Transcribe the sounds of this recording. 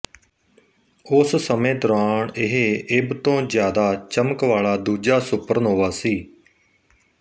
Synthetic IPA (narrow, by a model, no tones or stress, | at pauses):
ʊssəmẽːd̪ʊɾaːɳɪɦeːɪbt̪õːzjaːd̪aːt͡ʃəməkʋaːlaːd̪uːd͡ʒaːsʊpəɾnɦoːʋaːsiː